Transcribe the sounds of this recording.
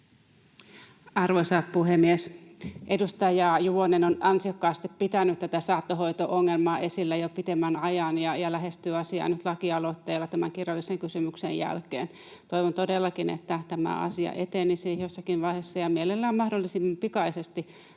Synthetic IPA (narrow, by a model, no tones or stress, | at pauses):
ɑrʋoisɑpuhemːiesʔedust̪ɑjɑjuʋonenonɑnsiokːɑːst̪ippit̪ænyt̪t̪ːæt̪æsɑːt̪ːoɦoit̪oʔoŋːelmɑːʔe̞silːæjopit̪emːænɑjɑnjɑjɑlæɦest̪yːɑsiɑ̰ːnyt̪lɑkiɑlot̪ːeːlːɑt̪æmæŋkirjɑlːiseŋkysymyksejjæ̰lkḛːn | t̪oiʋont̪odelːɑkinḛt̪ːæt̪æmæ̰ɑ̰siɑ̰ʔet̪enisijosːɑkinʋɑihesːɑjɑmielelːæːmmɑhdolːisimːɑmpikɑisest̪i